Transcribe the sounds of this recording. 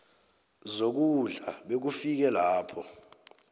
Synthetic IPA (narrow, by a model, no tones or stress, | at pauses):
zok̬uɮaɓek̬ufik̬ɛlaːpʰɔ